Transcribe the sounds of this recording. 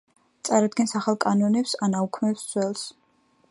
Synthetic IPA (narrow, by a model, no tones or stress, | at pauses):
t̪sʼaɾad̪̚ɡɛnsaχalˠkʼanɔnɛpsanaukʰmɛpsd̪z̥ʰwɛlˠs